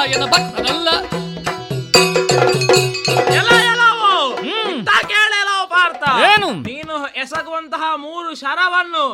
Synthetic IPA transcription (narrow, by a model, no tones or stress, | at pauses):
jenɐbɐnɐnɐlːɐ | ɛlɐjɛlɐʋoit̪ːaːkeːɭeːlɐʋupaːɾt̪ɐeːnuniːnuɛsɐkʋɐnt̪ɐɦɐmuːɾuʃɐɾɐʋɐnːu